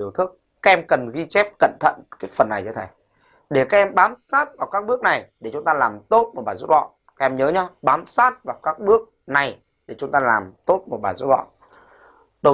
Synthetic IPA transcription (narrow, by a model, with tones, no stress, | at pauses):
əwt̪ʰɨ˦˥k̚ːaː˦˥k̚ʔɛ˧mkə˨˩nɣi˧t͡ɕɛ˦˥p̚kə̰˧˨nt̪ʰə̰˧˨nkaː˨˦jfə˨˩nːa˨˩jt͡ɕɔ˧t̪ʰe˨˩j | ɗe˧˩kaː˦˥k̚ʔɛ˧mɓaː˨˦msaː˦˥t̚vaː˨˩wkaː˦˥k̚ɓɨ˦˥ək̚na˨˩jɗe˧˩t͡ɕʊ˨˦ŋ͡mt̪aː˧laː˨˩mt̪o˦˥t̚mo˨˩ɓaː˨˩zu˦˥t̚vɔ̰˧˨n | kaː˥ʔɛ˧mɲəː˨˦ɲa˧ɓaː˨˦msaː˦˥t̚vaː˨˩wkaː˦˥k̚ɓɨ˦˥ək̚ | na˨˩j | ɗe˧˩t͡ɕʊ˨˦ŋ͡mt̪aː˧laː˨˩mt̪o˦˥t̚mo˨˩t̚ɓaː˨˩nzu˦˥t̚vɔ̰˧˨n | ɗə˧